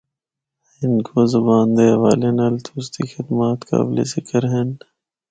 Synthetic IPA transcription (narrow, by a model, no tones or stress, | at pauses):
ɪnkʰoːzɐbaːnd̪eːʋaːlenɐːlt̪ʰuːst̪ixɪd̪maːt̪ka̰ːblḛsɪkʰəɾɦen